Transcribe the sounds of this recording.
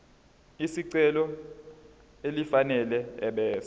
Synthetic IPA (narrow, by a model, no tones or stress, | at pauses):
isiǀɛlɔ | elifanɛlɛɛɓɛːs